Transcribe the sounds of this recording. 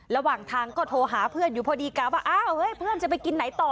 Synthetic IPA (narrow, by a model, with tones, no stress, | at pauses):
ɾa˧waː˨˩ŋt̪ʰaː˧ŋkɔː˥˩t̪ʰoː˧ɦaː˩˦pʰɯ˥˩ənjuː˨˩pʰɔː˧diː˧kaː˧˩waː˥˩ʔaː˧˥˩whɤː˧˥˩jpʰɯ˥˩ənt͡ɕa˨˩pa˧jki˧nːa˨˩˦jt̪ɔː˨˩